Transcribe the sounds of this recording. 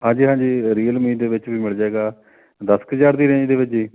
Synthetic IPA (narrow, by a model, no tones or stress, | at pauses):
ɦãːd͡ʒiːɦãːd͡ʒiːɾiːəlmiːd̪eːʋɪt͡ʃʋiːmɪɭd͡ʒaːeːɡaː | d̪əskəd͡ʒaːɾd̪iːɾẽːd͡ʒd̪eːʋɪt͡ʃd͡ʒiː